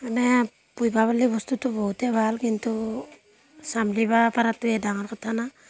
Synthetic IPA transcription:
anaa | pujbaβalibɔstutubɔuteβalɡintu | samliβapaɾatedaŋaɾkatʰana

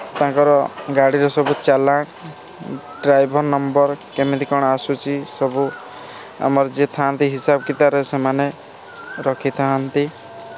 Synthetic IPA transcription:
t̪ãŋkɔɾɔɡaɽiɾɔsɔbut͡ʃalãk | ɖɾajbʱɔɾnɔmbɔɾkemid̪ikɔɽ̃ɔasut͡ʃʰisɔbu | a̰mɔɾɔd͡ʒet̪ʰant̪iɦisabɔkit̪aɾesemane | ɾɔkʰit̪ʰaɦant̪i

